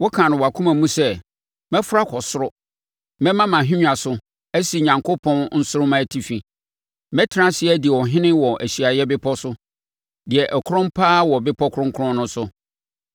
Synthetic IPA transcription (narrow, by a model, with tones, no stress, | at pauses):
wɔ˦kʰã˨nʊ̃˨wa˨kʰũ˦mã˨mũ˦sɛ˦˨ | mɛ̃˦fʊ˦ɾa˦kʰɔ˨sʊ˦ɾʊ˦ | mɛ̃˦mã˦mã˨ɦĩ˦ɲ˦a˨sʊ˨ | æ˦si˨ɲã˨ŋkʰo˦pʰɔ̃˦nn̩˦sʊ˦ɾʊ˦mã˦˨tʰi˨fi˨ | mɛ̃˦tʰɪ˦ɾã˦sɪ˦ɛ˦di˨wɔ˨ɦɪ̃˦nɪ̃˦wɔ˨ʔæ˨ɕi˨a˨jɛ˦bɪ˦pʰɔ˦sʊ˦ | dɪ˨ɛ˨ʔɛ˨kʰʊ˦ɾʊ̃˦m˦pʰaː˦wɔ˨bɪ˦pʰɔ˦kʰʊ˦ɾʊ̃˦ŋ˦kʰʊ˦ɾɔ̃˦nʊ̃˦sʊ˨